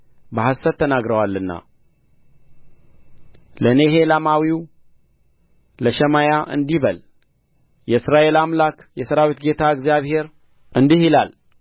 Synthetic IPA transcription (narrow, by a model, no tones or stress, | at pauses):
bəɦasət̪ʰːənaɡɾəwalːɨnːa̰ | ləneɦelamawiw | ləʃɛmajaʔɨ̰nd̪iβəl | jɛɨsɾaʔe̞lamlakjɛsəɾawit̪ɡe̞t̪ʰaɨɡzijaβhe̞ɾ | ʔɨnd̪ihilal